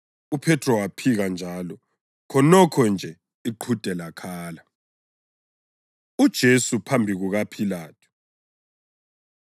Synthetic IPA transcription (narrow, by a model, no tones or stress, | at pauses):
upʰɛtʰʼrɔwapʰiɣand͡ʒʱaːlɔ | kʰɔnɔkʰɔnd͡ʒʱɛ | iǃʰud̥ʱɛlakʰaːla | ud̥ʒ̥ʱesupʰambʱiɣuɣapʰilaːtʰu̥